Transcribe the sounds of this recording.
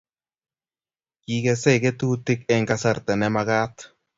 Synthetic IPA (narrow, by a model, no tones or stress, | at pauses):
kiɡesɛket̪ut̪ɪkɛŋkasart̪ɛnɛmaɣaːt̪